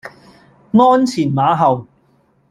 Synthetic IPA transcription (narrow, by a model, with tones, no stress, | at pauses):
ŋɔː˥nt͡sʰiː˨˩nmaː˨˧˥ɦɐ˨w